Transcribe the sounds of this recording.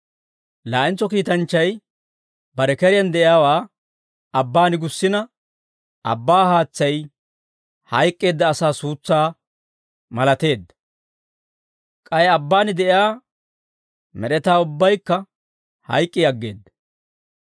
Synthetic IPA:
laːʔɪnt͡sːɔkiːt̪ɐnt͡ʃːɐj | bɐɾɛkɛɾɪjɐnd̪ɛʔɪjaːwaː | ɐbːaːnɪɡʊsːɪnɐ | ɐ̰bːaːhaːt͡sːɐj | hɐjkʼːeːd̪ːɐːsaːsuːt͡sːaː | mɐlɐt̪e̞ːd̪ːɐ̥ | kʼɐjɛɐbːaːnɪd̪ɛʔɪjaː | mɛɾɛt̪aːʊbːɐjkːɐ | hɐ̰jkʼːɪɐɡːe̞̰ːd̪ːɐ

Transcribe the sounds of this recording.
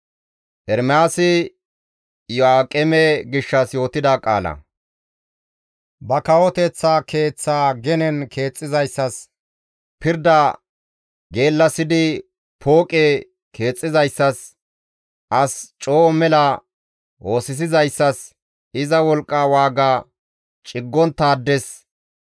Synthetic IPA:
ʔɛɾmɛaːsɪ | jɔaːkʼɛmɛɡɪʃːɐsjo̞ːt̪ɪd̪akʼa̰ːlɐ̰ | bɐkɐwɔt̪ɛt͡sːaːkʰe̞ːt͡sːaːɡɛnɛnkʰe̞ːt͡sʼːɪzɐjsːɐs | pɪɾd̪ɐ | ɡe̞ːlːɐsɪd̪ɪ | pʰo̞ːkʼe | kʰe̞ːt͡sʼːɪzɐjsːɐs | ʔɐst͡ʃʼo̞ːʔɔmɛlɐ | wo̞ːsɪs̬ɪzɐjsːɐs | ɪzɐwɔlkʼːawaːɡaː | t͡ʃʼɪɡːɔnt̪ːaːd̪ːɛs

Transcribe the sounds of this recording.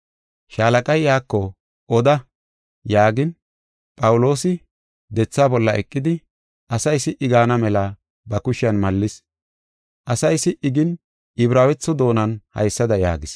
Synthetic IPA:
ʃaːlɐkʼɐjjaːkːɔ | ʔɔd̪ɐ | jaːɡɪn | pʼɐwʊlo̞ːsɪ | d̪ɛt͡sːaːbɔlːɐʔɛkʼːɪd̪ɪ | ʔɐsɐjsɪʔɪɡaːnɐmɛlɐ | bɐkʊʃɪɐnmɐlːɪs | ʔɐsɐjsɪʔɪɡɪn | ɪbɾaːwɛt͡sːɔd̪o̞ːnɐnhɐ̰jsːɐd̪ɐja̰ːɡɪs

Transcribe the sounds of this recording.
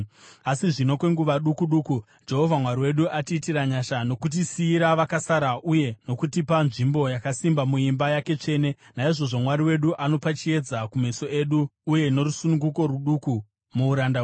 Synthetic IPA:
asiʐino̞kwe̞ŋɡuʋaɗukuɗuku | d͡ʒe̞ɦovʱamwaɾiwe̞ɗuʔatiːtiɾaɲaʃano̞kut̬isiːɾaʋakasaɾaʔuje̞no̞kutipanʐimbo̞jakasimbamuimbajake̞t͡ʂe̞ːne̞naiʐo̞ʐo̞mwaɾiwe̞ɗuʔano̞pat͡ʃie̞d͡zakume̞so̞e̞ɗuːje̞no̞rusunuŋɡuko̞rwuɗuku | muːɾanda

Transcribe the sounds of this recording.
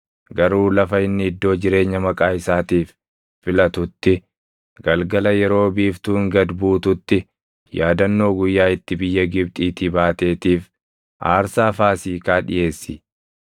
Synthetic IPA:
ɡɐɾuːlɐfɐɪnːɪɪd̪ːo̞ːd͡ʒɪɾe̞ːɲːɐmɐkʼaːɪsaːt̪iːfː | ɪlɐt̪ʊt̪ːɪ | ɡ̥ɐlɡɐlɐjɛɾo̞ːbiːft̪uːŋɡɐd̪buːt̪ʊt̪ːɪ | jaːd̪ɐnːo̞ːɡʊjːaːɪt̪ːɪbɪjːɐɡɪbt̪ʼiːt̪ɪbaːt̪e̞ːt̪iːf | ʔa̰ːɾsaːfaːsiːkaːᶑɪ̰ʔe̞ːsːɪ̰

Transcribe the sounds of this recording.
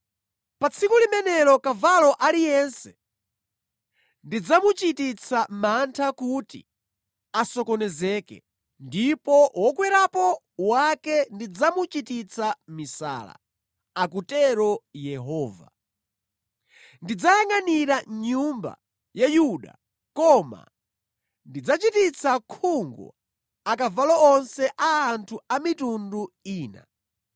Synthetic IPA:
pat͡sʰikulimɛnɛɾɔkavalɔʔalijɛnsɛ̥ | ndid͡zamut͡ʃitit͡sʰamantʰakutḭ | asɔkɔnɛzɛːkɛ̰ | ndipɔwɔkwɛɾapɔ | wakɛndid͡zamut͡ʃitit͡sʰamisa̰ːla̰ | akutɛɾɔjɛɦɔːva̰ | ndid͡zajaŋaniɾaɲumba̰ | jajuɗa̰ | kɔma̰ | ndid͡zat͡ʃitit͡sʰakʰuŋɡɔ̰ | akavalɔɔnsɛʔaːntʰuamitunduiːna̰

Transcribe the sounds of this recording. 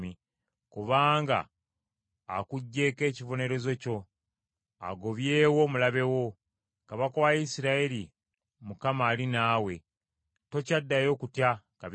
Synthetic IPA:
i | kuβaːŋɡa̰ː | kuɟːe̞ːke̞ːcivo̞ne̞ɾe̞zo̞co̞ | a̰ɡo̞βje̞ːwo̞mulaβe̞wo̞ | kaβakowajisiɾaeɾi | mukamaːlinaːwe̞ | to̞cadːajo̞ːkutja | kaβ

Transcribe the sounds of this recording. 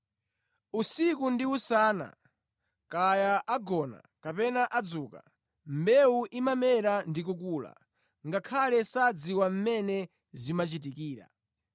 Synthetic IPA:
usikundiusaːna̰ | kajaʔaɡɔna̰kapɛnaʔad͡zuːka̰ | m̩bɛuʔimamɛɾandik̬ukuːla̰ | ŋɡakʰalɛsad͡ziwam̩mɛnɛ | zimat͡ʃit̬ikiːɾa̰

